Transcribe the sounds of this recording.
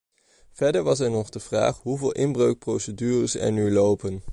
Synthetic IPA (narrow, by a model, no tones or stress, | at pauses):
v̥ɛɹdəɹʋɑs̬ɛɹnɔχdəv̥ra̰ːχɦuvɪːlˠʔɪnbrøɥk̚prowsədyːrəsɛ̰ɹnylowpən